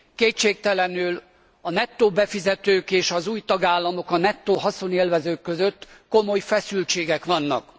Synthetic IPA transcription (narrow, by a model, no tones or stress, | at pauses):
keːt̪t͡ʃeːk̚t̪ɛlɛnyl | ɒnɛt̪ːoːbɛfizɛt̪øːkeːʃɒzuːjt̪ɒɡaːlːɒmo̞kɒnɛt̪ːoːɦɒso̞neːlvɛzøːkːøzø̞t̪ːko̞mo̞jfɛsylt͡ʃeːɡɛkʋɒnːɒ̰k